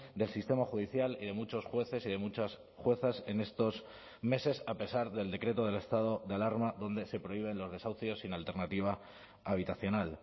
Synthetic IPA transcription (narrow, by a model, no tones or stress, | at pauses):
d̪e̞lsist̪e̞maxuðiθjaliðe̞mut͡ʃo̞sxwe̞θe̞siðe̞mut͡ʃas | xwe̞θase̞ne̞st̪o̞s | me̞se̞sape̞saɾðe̞ld̪e̞kɾe̞t̪o̞ð̞e̞le̞st̪að̞o̞ðealaɾmaðo̞nd̪e̞se̞pɾo̞iβ̞e̞nlo̞zðe̞sawθjo̞sːinalt̪e̞ɾnat̪iβ̞aː | β̞it̪aθjo̞nal